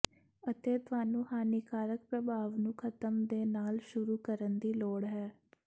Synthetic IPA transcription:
ət̪eːt̪ʊaːnũːhaːniːkaːɾək̚pɾəbʱaːʋnũːkʰət̪əmd̪eːnaːlʃʊɾuːkəɾənd̪iːloːɽɦɛː

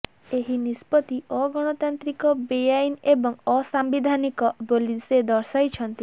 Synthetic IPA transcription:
eɦinispɔt̪iʔɔɡɔɽ̃ɔt̪ant̪ɾikɔbejajnebɔŋɔsambid̪ʱanikɔbolised̪ɔɾsajt͡ʃʰɔnt̪i

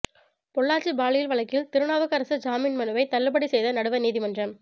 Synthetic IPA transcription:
pɔɭːaːʈt͡ʃibaːɭɪjɪlʋɐɭɐkːɪlt̪ɪɾɯɳaːʋɐkɐɾɐsɯd͡ʒaːmɪnmɐnɯʋɐɪt̪ɐlːɯbɐɽisɛjðɐnɐɽɯʋɐniːðɪmɐndrɐm

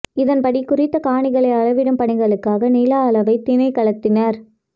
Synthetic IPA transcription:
ɪðɐnpɐɽikːʊrɪt̪ːɐkaːɳɪɣɐɭɐɪɐɭɐʋɪɽɯmpɐɳɪɣɐɭɯkːaːɣɐnɪlaːɐɭɐʋɐɪt̪ːɪnɐɪkɐɭɐt̪ːɪnɐɾ

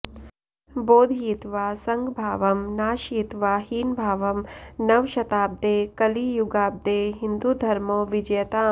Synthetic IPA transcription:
boːd̪ʱiːt̪ʋaːsɐŋɡbʱaːʋɐmnaːʃiːt̪ʋaːɦiːnbʱaːʋɐmnɐʋʃɐt̪aːb̚d̪eːkɐlijuɡaːb̚d̪eːɦind̪ud̪ʱɐɾmoːʋid͡ʒɐjɐt̪aː

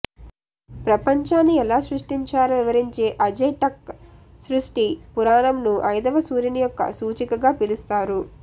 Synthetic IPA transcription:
pɾɐpɐɲt͡ʃaːnːiɛlaːsɾuʂʈiɲt͡ʃaːɾɐʋiʋɐɾiɲt͡ʃe̞ːʔɐd͡ʒejʈɐk̚sɾuʂʈipuɾaːnɐmnuʔɐjd̪ɐʋɐsuːɾinijɔkːɐ̰suːt͡ʃikɐɡaːpilust̪aːɾu

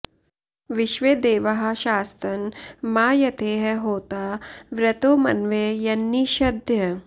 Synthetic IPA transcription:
ʋɪʃʋeːd̪eːʋɐɦɐ̆ʃaːst̪ɐnmaːjɐt̪ʰeːɦɐɦoːt̪aːʋɾɐt̪oːmɐ̰nʋeːjɐnːiʃɐd̪ʱjɐ

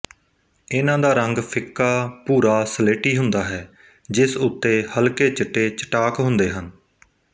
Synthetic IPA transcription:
ɪnãːd̪aːɾəŋɡpʰɪkːaːpuːɾaːsəleːʈiːɦʊnd̪aːɦɛː | d͡ʒɪsʊt̪ːeːhəlkeːt͡ʃəʈːeːt͡ʃə̥ʈaːkɦʊ̃nd̪eːɦən

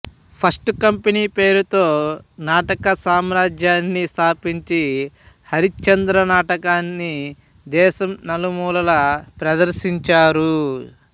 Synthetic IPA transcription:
pʰɐsʈkɐmpeniːpe̞ːɾut̪o̞ːnaːʈɐkɐsaːmɾaːd͡ʒjaːnːist̪ʰaːpiɲt͡ʃi | hɐɾit͡ʃɐnd̪ɾɐnaːʈɐkaːnːi | d̪ɛːʃɐmnɐlumuːlɐlɐpɾɐd̪ɐɾʃiɲt͡ʃaːɾu

